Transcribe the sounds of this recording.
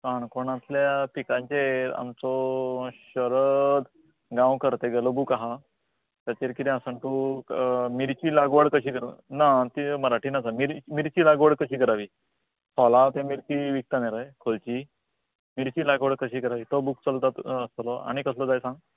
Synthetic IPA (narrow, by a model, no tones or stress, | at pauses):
kaɳkoɳasljapikãɲt͡ɕea̰mt͡sɔɕəɾəd̪ | ɡãwkəɾt̪eɡelobukaɦa | t̪at͡ɕeɾkit̪ĩasəɳt̪u | miɾt͡ɕiːlaɡʋəɽkəɕiːkəɾnat̪iməɾaʈʰiːnad͡zamiɾmiɾt͡ɕiːlaɡʋəɽkəɕiːkəɾaʋiː | tʰɔlat̪emiɾt͡ɕiʋik̚t̪aneɾəjkʰolt͡ɕi | miɾt͡ɕiːlaɡʋəɽkəɕiːkəɾaʋiːt̪obuk̚t͡səlt̪at̪əst̪lɔa̰ɽ̃ikəslɔd͡zajsãŋɡ